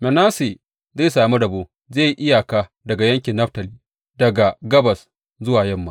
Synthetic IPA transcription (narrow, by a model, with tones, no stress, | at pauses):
mɛ˨naː˦se˨ | zeː˦˨jsaː˨mu˦dɐ˨boː˦ | zeː˦˨ji˦ʔɪ˦ja˨kaː˦ | dɐ˨ɡa˨jɐ˦ŋkʲɪ˨nːɐ˦ɸtɐ˨liː˦ | dɐ˨ɡa˨ɡɐ˦bɐ˨s | zʊ˦waː˨jɐ˦mːaː˨˦